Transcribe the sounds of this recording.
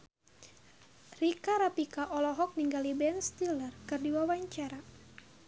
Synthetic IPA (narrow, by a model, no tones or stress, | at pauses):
rikaɾapikaʔɔlɔɦɔk̚niŋɡalibɛnst̪ilərkɨrdiwawaɲt͡ʃaɾa